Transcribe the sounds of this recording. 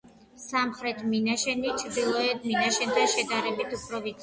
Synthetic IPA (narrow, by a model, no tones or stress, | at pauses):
samχɾɛt̪ʰminaʃɛnit͡ʃʰɾd̪ilˠɔɛd̪minaʃɛnt̪ʰanʃɛd̪aɾɛbit̪ʰupʰɾɔvit̪